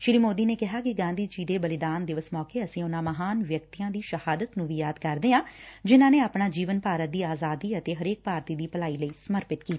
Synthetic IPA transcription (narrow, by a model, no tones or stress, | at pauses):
ʃɪɾiːmoːd̪iːneːkɪɦaːkɪɡãːnd̪iːt͡ʃiːd̪eːbəlɪd̪aːnd̪ɪʋəsmɔːkeːəsĩːʊnãːməɦaːnʋjək̚t̪iːãːd̪iːʃəhaːd̪ət̪nũːʋiːjaːd̪kəɾd̪eːãːd͡ʒɪnãːneːaːpnaːd͡ʒiːʋənpaːɾət̪̚d̪iːaːzaːd̪iːət̪eːɦəɾeːk̚paːɾt̪iːd̪iːpəlaːiːləiːsəməɾpɪt̪kiːt̪i̥